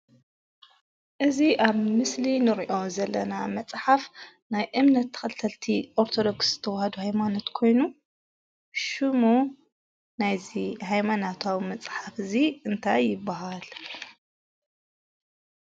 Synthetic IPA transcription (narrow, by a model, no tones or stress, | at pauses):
ʔɨziʔaβmɨslinɨɾiʔo̞zɐlːɐnamɐt͡sʼħaf | najʔɨmnɐt̪ʰːɐ̥xɐlt̪ʰɐlt̪ʰiʔo̞ɾt̪ʰo̞d̪o̞ksz̥ɨ̥t̪ʰɐwhɐd̪uhajmano̞t̪kʰo̞jnu | ʃɨmu | najzihajmanat̪ʰawmɐt͡sʼħafɨziɨnt̪ʰajːɪbːaɦal